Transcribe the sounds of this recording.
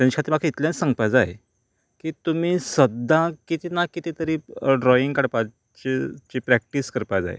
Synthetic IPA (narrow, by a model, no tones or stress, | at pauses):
t̪jãɲikʰat̪iɾmakʰeit̪ljãnsãŋɡpajd͡zaḛ | kiːt̪um̤iːsəd̪ãkit̪iːnakit̪it̪əɾiːɖɾɔiŋɡkaɽpa | t͡ɕet͡ɕipɾæk̚ʈiskəɾpajd͡za̰ḛ